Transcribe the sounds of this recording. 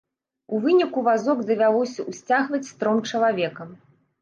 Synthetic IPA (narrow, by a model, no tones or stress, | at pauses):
uvɨnʲikuvazɔɡd̪ɐvʲalˠɔsʲɐʔusʲt͡sʲaɣvɐt͡sʲst̪ɾɔmt͡ʂɐlˠavʲɛkɐm